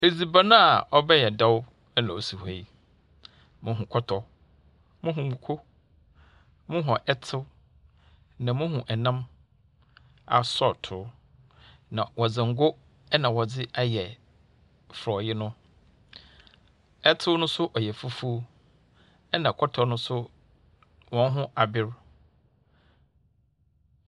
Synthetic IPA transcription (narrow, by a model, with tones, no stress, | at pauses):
e˨d͡zi˨ba˦nã˦a˨ɔ˦bɛ˦jɛ˨dɔ˦w | ɛ˦nã˨o˨si˨ha˨i˨ | mʊ̃˦ɦũ˨kʰɔ˦tʰɔ˦ | mʊ̃˦ɦũ˨mũ˨kʰo˦ | mʊ̃˦ɦɔ̃˨ʔɛ˦tʰɪ˦w | nã˨mʊ̃˦ɦũ˨ʔɛ˨nã˦m | a̰˨sɔ˦˨tʰʊ˨˦ | nã˨wɔ˨d͡zɪ̃˨ŋ̩˨ɡʊ˦ | ɛ˦nã˨wɔ˨d͡zɪ˦a˦jɛ˨ | fɾɔ˨jɪ˦nʊ̃˦ | ɛ˦tʰɪ˦wnʊ̃˦sʊ˦ʔɔ˨jɛ˨fu˦fu˦ | ɛ˦nã˨kʰɔ˦tʰɔ˦nʊ̃˦sʊ˦ | wɔ̃˨n˦ɦʊ̃˦ʔa˨bɪ˦ɾ